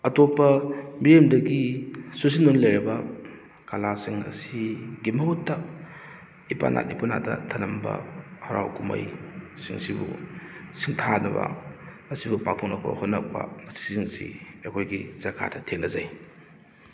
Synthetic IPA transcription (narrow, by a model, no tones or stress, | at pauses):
ɐtopːɐmiɾemdɐɡisus̬inunlɐjɾibɐ | kalasiŋɐ̰siɡimɐɦutːɐ | ipa̰nʔa̰t̚ipuna̰dɐ̰tʰɐnɐmbɐ̰hɐɾa̰wkumɐ̰jsiŋsibṵsiŋtʰanɐbɐ̰mɐsibupak̚tʰok̚nɐk̚pɐ̰hotnːɐk̚pɐ̰mɐsi̥siŋsḭɐkʰojɡiz̥ɐkʰa̰dɐtʰeŋnɐzaj